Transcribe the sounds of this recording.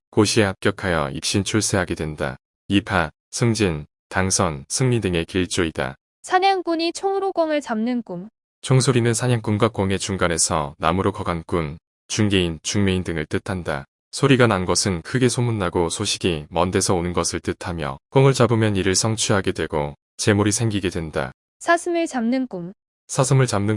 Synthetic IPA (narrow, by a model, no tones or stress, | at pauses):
koɕʰie̞hap̚k͈jʌkʰajʌ̰ḭp̚ɕ͈int͡ɕʰuɭs͈e̞ɦaɡe̞dwe̞nda̰ | ipʰa | sʰɯŋd͡ʑin | taŋsʰʌnsʰɯŋɲidɯŋe̞kiɭt͡ɕ͈oida̰ | sʰaɲaŋk͈uɲit͡ɕʰoŋuɾok͈ʌŋɯɭt͡ɕamnɯnk͈um | t͡ɕʰoŋs̬ʰoɾinɯnsʰaɲaŋk͈unɡwak͈oŋe̞t͡ɕuŋɡane̞sʰʌnamɯɾokʌɡank͈un | t͡ɕuŋɡe̞int͡ɕuŋmeindɯŋɯɭt͈ɯtʰanda̰ | sʰoɾiɡananɡʌsʰɯnkʰɯɡe̞sʰomunːaɡosʰoɕʰiɡimʌnde̞sʰʌonɯnɡʌsʰɯɭt͈ɯtʰamjʌ̰k͈oŋɯɭt͡ɕabɯmjʌniɾɯɭsʰʌŋt͡ɕʰuɦaɡe̞dwe̞ɡo | t͡ɕe̞moɾisʰe̞ŋɡiɡe̞dwe̞nda̰ | sʰasʰɯmɯɭt͡ɕamnɯnk͈um | sʰasʰɯmɯɭt͡ɕamnɯ